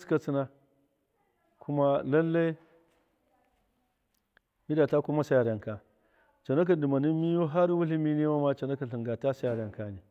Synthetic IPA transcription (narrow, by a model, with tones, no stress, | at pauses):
ska˦t͡si˦na˦ | kʰu˦ma˦la˦lːa˦i˦ | mi˦da˨ta˦ku˦ma˦sa˦ja˨ɾa˨ŋka˨ | t͡ʃa˨na˦k̬a˦˨di˨ma˨ni˦mi˦jo˦ɦa˦ɾwu˦li˦mi˦ni˦wa˦ma˦t͡ʃa˨na˦ka˨ɬi˨ɡa˨ta˦sa˦ja˨ɾa˨ŋka˦ni˨